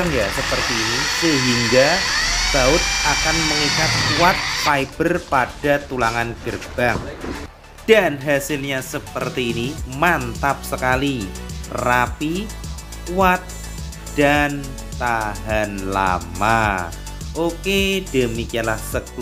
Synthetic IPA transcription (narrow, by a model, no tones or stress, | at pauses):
ŋjasəpərt̪iːnisəɦiŋɡasaʊt̪̚akanməŋikat̪̚kuat̪̚faibərpad̥at̪ulaŋanɡ̥ərb̥aŋ | d̥anɦasɪlɲasəpərt̪iːnimant̪ap̚səkalirapi | kuat̪̚ | d̥an | t̪aɦanla̰ma | ʔoked̥əmikialahsək